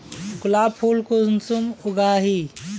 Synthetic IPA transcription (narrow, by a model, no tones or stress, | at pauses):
kʊlaːpʰuːlkunsumʊɡaːɦi